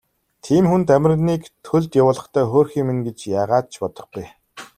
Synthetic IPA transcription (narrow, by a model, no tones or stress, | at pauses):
t̪ʰiːmxunt̪æmʲɪ̆rniːkt̪ʰɵɮt̪jawʊːɮə̆χt̪ʰæːxoːrxiːŋmenɡet͡ɕjaːʁaːt̪̚t͡ɕʰpɔt̪ɞ̆χɡuj